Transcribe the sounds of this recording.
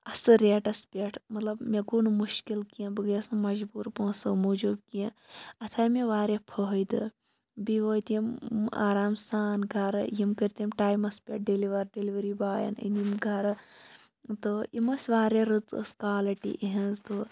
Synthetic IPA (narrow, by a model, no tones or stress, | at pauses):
ɐsɨɾeːʈɐspʲeʈʰmɐt̪lɐbmeɡuːnumuʃkilkijɐ̃bɨɡjɐsɨmɐd͡ʒbuːɾpõːsɐmoːd͡ʒubkijẽɐt̪ʰaːmeʋaːɾepʰəɦjd̪ɨ̰ | biʋoːjt̪ijɐma̰ːɾaːmsaːnɡʱɐɾjimkəɾt̪imʈaːjmɐspʲeʈ̚ɖiliʋɐɾɖiliʋɐɾibaːjɐ̰nḭnimɡʱɐɾ | t̪oimɐsʲʋaːɾeɾɨt͡sə̰skaːlɐʈḭʔiɦɐnzt̪o